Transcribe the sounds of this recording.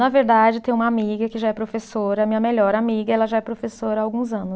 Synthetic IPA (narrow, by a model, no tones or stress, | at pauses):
nɐveɾd̪ad͡ʒɪt̪ẽj̃ũmɐamiɡɐkɪʒaɛpɾofesoɾɐmĩɲɐmeʎɔɾamiɡɐɛlɐʒaɛpɾofesoɾɐaːwɡũzɐ̃nʊ